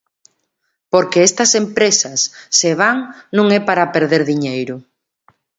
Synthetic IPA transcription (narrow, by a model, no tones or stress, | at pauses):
poɾkeest̪ɐsempɾesɐsːeβ̞aŋnũŋɛpaɾapeɾðeɾðiɲejɾʊ